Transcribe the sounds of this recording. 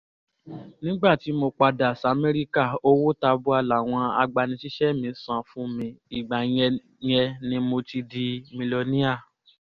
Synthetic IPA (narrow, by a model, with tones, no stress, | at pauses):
nĩ˦ɡ͡ba˦˨ti˨˦mo˧k͡pa˧da˨sa˨˦me˦ɾi˦ka˦˨o˦wo˦ta˧bu˦a˧la˨w̃ɔ̃˧a̰˧ɡ͡ba˧nĩ˧ʃi˦ʃɛ˦˨mĩ˧˦sã˨fũ˦mĩ˧i˨ɡ͡ba˨j̃ɛ˧ | j̃ɛ˧nĩ˨˦mo˧ti˧di˧mĩ˧lo˧nĩ˦a˦˨